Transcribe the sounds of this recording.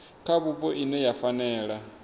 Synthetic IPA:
kʰaβupɔʔinɛjafanɛːɺa

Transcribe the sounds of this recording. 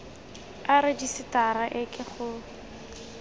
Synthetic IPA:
aɾɪdisɪtaɾaʔɪkʼɪχʊ

